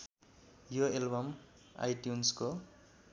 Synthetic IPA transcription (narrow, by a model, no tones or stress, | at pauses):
joelbʌma̰jʈjunsko